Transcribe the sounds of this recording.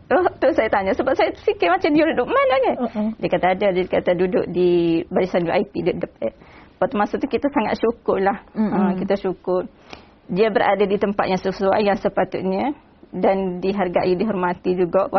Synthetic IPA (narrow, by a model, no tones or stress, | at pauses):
ɔt̪usajat̪aɲasəbap̚sajat̪əsikɪmat͡ʃamdiuɾuduʔmanaɲədiakat̪aːdaddikat̪adudʊ̰ʔ̚dibaɾisanjuʔajpiduʔ̚dəp̚ɛpat̪umasʊʔ̚t̪ukit̪asaŋa̰t̪̚ʃukʊrlahəkit̪aʃukʊr | diabəɾa̰dadit̪əmpa̰t̪̚jaŋsəsua̰jansəpat̪ʊ̰t̪̚ɲa | dandiɦarɡa̰ʔidiɦɔrmat̪id͡ʒuɡaʔwa